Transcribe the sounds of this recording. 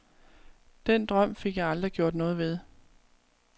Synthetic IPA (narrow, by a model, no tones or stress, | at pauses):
d̥en̰d̥ʁɶm̰fe̝ɡ̥jɑ̈ɪɑ̈ld̥ʁiɡ̥jo̝ɐ̰d̥nɔ̽ːð̞̩ˠʋe̝ð̞ˠ